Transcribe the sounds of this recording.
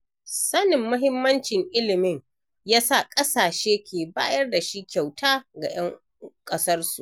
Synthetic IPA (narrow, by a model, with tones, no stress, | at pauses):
sɐ˦nɪ˨mːʊ˦ɦɪ˦mːɐ˦nt͡ʃɪ˨ŋʔɪ˦lɪ˨mɪ˦ŋ | jaː˦sa˦˨kʼɐ˦saː˨ʃeː˦kʲʰeː˨baː˦jɐ˦rda˨ʃi˦kʲa˨wtʰaː˦ɡa̰˨j̰ɐ˦ŋ | kʼɐ˦sɐ˦rsu˨ʔ